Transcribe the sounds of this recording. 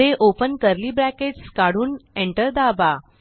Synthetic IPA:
eʔopənkəɾliːbɾækeskaɽuːnẽɳʈəɾd̪aba

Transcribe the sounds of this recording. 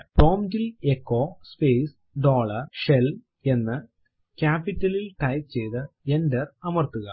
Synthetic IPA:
po̞ːmdilekːo̞ːspeːs | ɖoːɭɐrʂel | e̞nːɨ | kaːpːitːɐlilʈɐjt̪t͡ɕe̞jt̪ɨendɐrɐmɐrt̪uɣɐ

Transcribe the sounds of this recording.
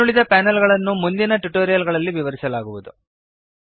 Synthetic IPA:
uɭid̪ɐpaːnɐlɡɐɭɐnːumund̪inɐʈuʈoːɾijɐlɡɐɭɐlːiʋiʋɐɾisɐlaːɡuʋud̪u

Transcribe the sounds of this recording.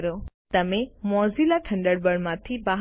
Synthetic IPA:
ɾot̪ɐmẽmɔːzilaʈʰɐ̃ɳɖəɽbəɽmãt̪ʰibaɦ

